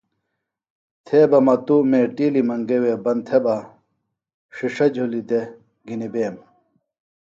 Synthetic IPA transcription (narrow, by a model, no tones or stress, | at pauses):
t̪ʰeːbɐmɐt̪umeːʈiːlimɐŋɡeweːbɐnt̪ʰebɐ | ʂiʂɐd͡ʑʱulid̪e | ɡinibeːm